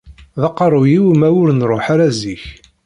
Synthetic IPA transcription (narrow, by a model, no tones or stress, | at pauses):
ðɑqːɾˤujiwmæwʊɾənɾˤoħaɾæziç